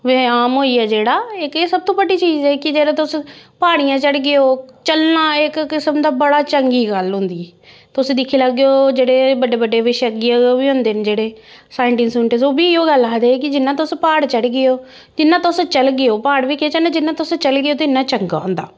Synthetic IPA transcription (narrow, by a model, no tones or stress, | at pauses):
ʋeaːmɦoːiːɛːd͡ʒeːɽaːɪkeːsəb̚t̪õːbəɖiːt͡ʃiːd͡ʒɛːkɪd͡ʒeːɽẽːt̪ʊspaːɽ̃ijãːt͡ʃəɽɡɪoːt͡ʃəlnãːɪkːɪsəmd̪aːbəɽaːt͡ʃəŋɡiːɡəlɦʊ̃nd̪iːɛː | t̪ʊsĩːd̪ɪkʰːiːləɡːejoːd͡ʒeːɽeːbəɖeːbəɖeːʋɪʃəɡɪooːbiːɦʊ̃nd̪eːnd͡ʒeːɽeːsaːɪɳʈɪŋsʊɳʈeːsoːbiːɪoːɡəlaːd̪eːk̬ɪd͡ʒɪnːãːt̪ʊspaːɽt͡ʃəɽɡɪoː | d͡ʒɪnːãːt̪ʊst͡ʃəlɡɪjoːpaːɽʋiːkʰet͡ʃənãːd͡ʒɪnːãːt̪ʊst͡ʃəlɡɪjoːt̪ɪnːãːt͡ʃəŋɡa̰ːɦʊ̃nd̪a̰ː